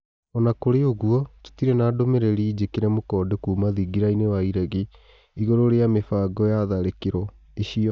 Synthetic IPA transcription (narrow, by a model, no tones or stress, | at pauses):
ɔnakoɾeoɣuɔto̥tiɾɛnaːdomeɾɛɾiːd͡ʑekeɾɛmokɔːdekuːmaðiɡiɾainewaiɾɛɣe | iɣoɾoɾeamefaːɡɔjaðaɾekeɾɔ | eɕiɔ